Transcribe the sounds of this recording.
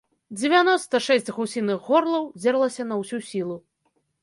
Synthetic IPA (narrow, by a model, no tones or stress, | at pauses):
d͡zʲevʲanɔst̪ɐʂɛsʲt͡sʲɣusʲinɨxːɔrlˠɐwd͡zʲɛɾlˠɐsʲɐnɐwsʲusʲilˠu